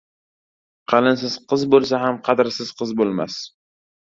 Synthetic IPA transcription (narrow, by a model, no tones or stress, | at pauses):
qʰɑlɪns̬ɪz̥qʰɨzbolˠs̬aɦamqʰɑd̪ɾsɪz̥qʰɨzbolˠma̰s